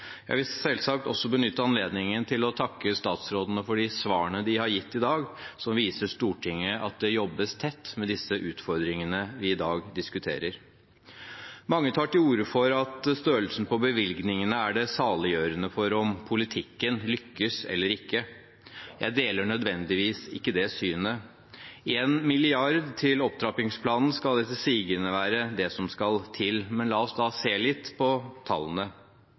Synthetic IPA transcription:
jæ̰ɪʋɪlsɛlsɑk̚t̪ɔsːɔbənʏt̪ːəɑnleːd̪nɪŋənt̪ʰɪlɔt̪ʰɑkːəst̪ɑːt̪sɾoːd̪ənəfɔɖɪsʋɑːəɳəd̪ɪhɑɾjɪt̪ːɪd̪ɑːɡsɔmʋiːsəʂt̪uːʈʰɪŋːəʔɑt̪̚d̪ɛjɔbəst̪ʰɛt̪ːmɛd̪ɪsːəʔʉːt̪fɔɾd̪ɾɪŋənəʋɪɪd̪ɑːɡd̪ɪskʉt̪ʰḛːɾəɾ | mɑŋːət̪ʰɑːʈɪuːɾəfɔɾɑt̪st̪øːəlsən̩pɔbəʋɪlɡnɪŋənəæɖɛsɑːlɪjøːɾənəfɔɾɔmpʰʊlɪt̪ʰɪkːənlʏkːəsɛ̰lːəɾɪkːə | jæ̰ɪd̪eːləɳœd̪ʋɛnd̪ɪʋiːsɪ̰kːəd̪ɛsyːnə | eːnmɪlɪɑɾd̪t̪ʰɪlɔp̚t̪ʰɾɑpɪŋspʰlɑːnn̩skɑld̪ɛt̪ːəsiːɡənəʋæːɾəd̪ɛsɔmskɑlt̪ʰɪlmɛnlɑːɔsd̪ɑːseːlɪt̪ːpʰɔt̪ʰɑ̰lːənə

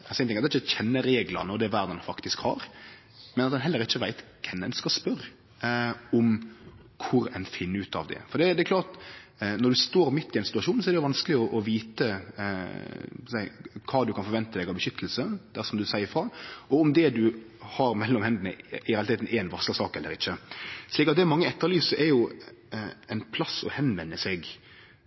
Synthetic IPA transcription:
sɛɪnɪŋːɑt̪ɛɪçːəçɛnːəɾeːɡlɑ̰nəɔd̪ɛːʋæɾd̪ɑnfɑkt̪ɪskhɑ̰ɾ | mɛnɑt̪d̪ɛnɦɛlːəɾɪçːəʋæɪt̪kʰɛnːɛnskɑspœɾ | ɔm | kʰʊɾɛ̰nfɪnːəʉːt̪ʰɑ̰ʋd̪ɛ̰fɔɾd̪ɛɪd̪ɛkʰlɑːt̪nɔɾd̪ʉst̪oːɾmɪt̪ːɪɛnsɪ̥t̪ʉɑʂuːnsɔɛɾdɛjʊʋɑnskəlɪɔʔɔʋiːt̪ə | sæɪkʰɑːd̪ʉkʰɑnfɔɾʋɛnt̪əd̪ɛɡɑʋbəʃʏt̪ʰːəlsəd̪̥æsɔmd̪ʉsæɪəfɾɑːʔɔʊmd̪ɛd̪ʉ | hɑɾmɛlːɔmhɛnd̪nə̰ɪɛɑlt̪eːt̪n̩ʔɛnʋɑsləsɑːkɛlːəɾɪçːəʂliːk̬ɑt̪̚d̪ɛmɑŋːəɛt̪ʰːəɾlyːsəɛɾjʊ | ɛɪnpʰlɑsɔ̰hɛnʋɛnːəseɡ

